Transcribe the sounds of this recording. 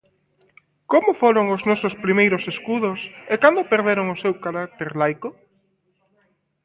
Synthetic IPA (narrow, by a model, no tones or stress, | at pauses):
komʊfoɾoŋʊznɔsʊspɾimejɾʊseskuðʊsekand̪opeɾðeɾoŋʊsewkaɾak̚t̪eɾlajkʊ